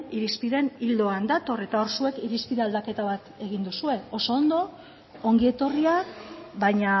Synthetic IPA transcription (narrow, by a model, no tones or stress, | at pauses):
iɾispiðe̞nild̪o̞and̪at̪o̞re̞t̪ao̞ɾsue̞kiɾispiðeald̪ake̞t̪aβat̪e̞ɣ̞ind̪usue̞o̞so̞ːnd̪o̞ | oŋɡie̞t̪o̞riakbaɲa